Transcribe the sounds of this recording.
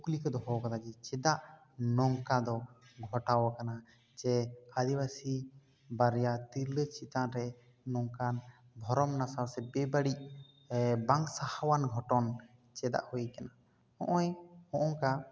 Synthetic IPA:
uklikɔd̪ɔɦɔwkanad͡ʒɛt͡ʃɛd̪aʔ | nɔŋkad̪ɔɡʱɔʈawakana | d͡ʒɛad̪ibasi | baɾjat̪iɾlət͡ʃit̪anɾɛ | nɔŋkan | bʱɔɾɔmnasawsɛbɛbaɽic̚ | baŋsahawanɡʱɔʈɔn | t͡ʃɛd̪a̰ʔhuikana | hɔ̰̃ʔɔjhɔ̃ʔɔŋka

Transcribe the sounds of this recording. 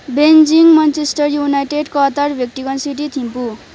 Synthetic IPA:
bend͡ziŋmant͡sesʈʌrjunajʈeɖkʌt̪arbʱek̚ʈikʌnsiʈit̪ʰimpu

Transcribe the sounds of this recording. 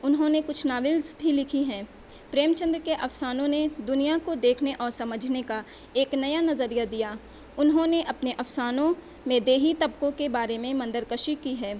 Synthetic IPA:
ʊnɦõnekʊt͡ʃʰnaːʋɪlzbʱilɪkʰiɦɛ̃ː | pɾeːmt͡ʃə̃nd̪ɾkeʔɐfsaːnõned̪ʊnijakod̪eːkʰneʔɔːɾsɐməd͡ʒʱneka | eːknɐjanɐzəɾijad̪ijaː | ʊnɦõneʔɐpneʔɐfsaːnõ | mẽd̪eːɦit̪ɐbkõkebaːɾemẽmɐ̃nd̪əɾkəʃikiɦɛː

